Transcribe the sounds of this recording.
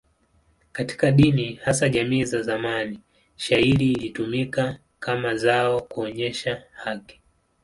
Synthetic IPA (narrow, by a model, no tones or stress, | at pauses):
kati̥kaɗinihasaʄamiːzazamani | ʃahiɾiːlitumika | kamazaɔkuɔɲɛʃahaki̥